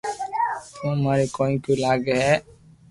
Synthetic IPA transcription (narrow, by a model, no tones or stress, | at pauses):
t̪õmaːɾekoːĩkoːlaːɡeɦɛː